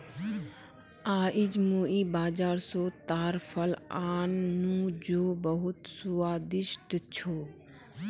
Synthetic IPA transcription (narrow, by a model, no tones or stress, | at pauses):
aːʔɪd͡ʒmoːiːbaːd͡ʒaːɾsoːt̪aːɾfʰəlaːnːũd͡ʒoːbəɦʊt̪sʊaːd̪ɪʃʈt͡ʃʰoː